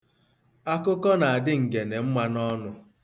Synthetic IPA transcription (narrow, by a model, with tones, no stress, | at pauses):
a˦kʊ˦kɔ˦na˨a˨dɪ˦ŋ̩˨ɡe˨ne˨m̩˦ma˦nɔ˦nʊ˦